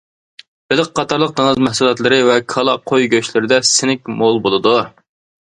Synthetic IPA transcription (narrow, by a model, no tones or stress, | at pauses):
b̥ɪlɪk̚qʰɑt̪ʰɑɾlˠəq̚d̪ɑnɨzmɛhsulˠɑt̪lˠɨɾɨvɛkʰɑlˠɑqʰojɡʲøʃlɪɾɪd̪ɛsɪnɪkʲmolˠbolˠɨd̪u